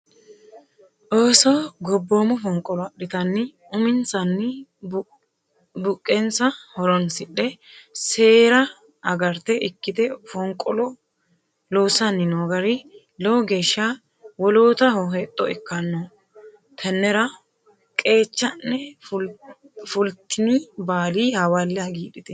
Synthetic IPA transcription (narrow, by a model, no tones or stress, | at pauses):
ʔoːsɔɡɔbːoːmʊfɔŋkʼɔlɔɗɪt̪ɐnːɪ | ʊmɪnsɐnːɪ | bʊkʼːɛnsɐhɔɾɔnsɪɗːɛse̞ːɾɐ | ɐɡɐɾt̪ɛʔɪkːɪd̪ɛfɔŋkʼɔlɔ | loːsɐnːɪnoːɡɐɾɪ | lɔwɡe̞ːʃːa | wɔloːt̪ɐhɔɦɛt̪ʼːɔɪkːɐnːɔ | t̪ʰɐnːɛɾɐ | kʼe̞ːt͡ʃːɐnːɛ | fʊlt̪ːɪnibaːliːhɐwalːɪaɡiːɗɪt̪ɛ